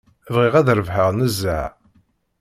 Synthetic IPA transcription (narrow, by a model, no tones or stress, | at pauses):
vʁiʁæðɾəvɦəʁnəzːæʕ